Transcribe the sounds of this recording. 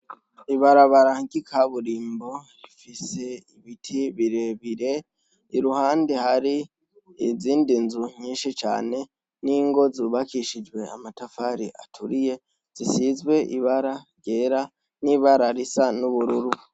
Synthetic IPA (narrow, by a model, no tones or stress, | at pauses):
iβaɾaβaɾaɟikʰaβuɾiːmbo̞ | ifise̞iβitʰiβiɾe̞βiɾe̞ | iɾuhaːndihaɾi | iziːndinzuɲiːnʃit͡ʃa̰ːne̞ | niŋɡo̞zuːβakʰiʃid͡ʒwe̞a̰matafaɾiʔa̰tʰuɾije̞ | z̥isizɡwe̞ʔiβaɾaɾje̞ːɾa | niβaɾaɾisanuβuɾuɾu